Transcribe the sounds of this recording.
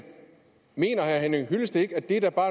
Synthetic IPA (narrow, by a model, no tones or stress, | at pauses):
me̝̰ːnɐhæɦænəɦyləsd̥əe̝ɡ̥æd̥e̝ɾæɐb̥ɑ̈ː